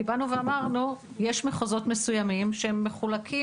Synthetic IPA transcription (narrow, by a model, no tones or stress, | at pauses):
ibanuveamaʁnu | je̞ʃmeχozo̞tme̞sujamimʃeemːe̞χulakʰi